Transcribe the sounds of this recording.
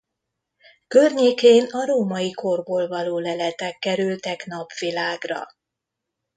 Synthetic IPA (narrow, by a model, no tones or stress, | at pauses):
kørɲeːkeːnɒɾoːmɒjikorboːlvɒloːlɛlɛt̪ɛkːɛɾylt̪ɛknɒpʋilaːɡrɒ̰